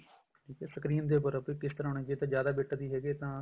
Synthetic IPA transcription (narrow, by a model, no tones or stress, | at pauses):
ʈʰiːkɛːsəkɾiːə̃nd̪eːpəɾpːkɪst̪əɾaːnẽːd͡ʒeːt̪ãːd͡ʒjaːd̪aːbeːʈad̪iːɦɛːɡeːt̪ãː